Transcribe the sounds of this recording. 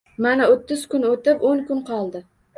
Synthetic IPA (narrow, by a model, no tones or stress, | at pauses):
manaot̪ːɪz̥kʊnot̪ɪpoŋkʊnqʰɒlˠd̪ɪ